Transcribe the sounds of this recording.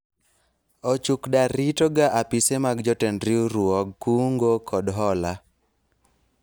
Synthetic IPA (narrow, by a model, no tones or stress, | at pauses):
ɔt͡ʃukdaɾitoɡaʔapisemaɡd͡ʒɔtendɾiuɾuɔɡkuŋɡokʰɔdɦɔla